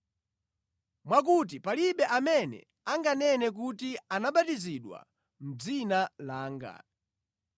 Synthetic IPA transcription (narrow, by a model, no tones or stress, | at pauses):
mwak̬ut̬ipaliɓɛʔamɛnɛ̰ | aŋɡanɛnɛk̬utianaɓatiziɗwa̰ | m̩d͡zinalaːŋɡa̰